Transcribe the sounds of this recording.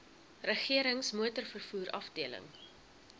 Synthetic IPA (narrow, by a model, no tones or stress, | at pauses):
rəχiəɾəŋsmuətərfərfuːɾɐ̰fdiələ̰ŋ